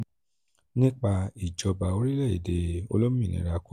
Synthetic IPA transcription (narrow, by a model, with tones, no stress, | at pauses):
nĩ˦k͡pa˧i˨d͡ʒɔ˧ba˨o˧˦ɾi˦lɛ˦˨i˨de˧o̰˧lo˦m˦ĩ˦˨nḭ̃˨˧ɾa˧ku˦